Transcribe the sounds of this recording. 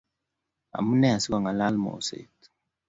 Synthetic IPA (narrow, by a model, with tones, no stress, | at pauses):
a̰˨mu˦nɛ˦a˨si˦kɔ˨ŋa˨la˦lmo̰˨sḛ˨t